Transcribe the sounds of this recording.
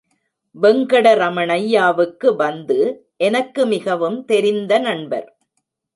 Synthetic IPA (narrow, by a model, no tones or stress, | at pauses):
bɛŋɡɐɽɐɾɐmɐɳɐjːaːʋɯkːɯʋɐnd̪ɯ | ʔɛnɐkːɯmɪɣɐʋɯmt̪ɛɾɪnd̪ɐnɐɳbɐ̰ɾ